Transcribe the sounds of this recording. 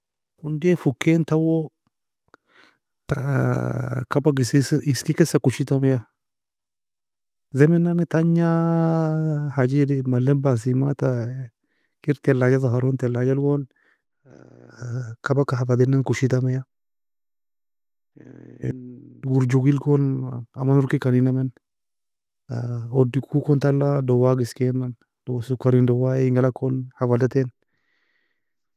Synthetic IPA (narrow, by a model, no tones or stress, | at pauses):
undefukːent̪awo | ta | kabaɡisiskikɛsakuʃit̪amja | zɛmɛnːanit̪aɲa | had͡ʒidimalːenbas̬imat̪a | kiɾt̪ɛlad͡ʒazaɦaɾont̪ɛlad͡ʒalɡon | kɐbakːaɦafɐd̪ɛnːankʊʃit̪ɐmɛja | nɡuɾd͡ʒuɡilkonamːanʊɾkikɐninɐmen | ɔdikʰukɔnt̪ɐlːadɔwaɡɪskeman | dsʊkːɐɾindɔwaɪŋɡɐlakːonhavadat̪en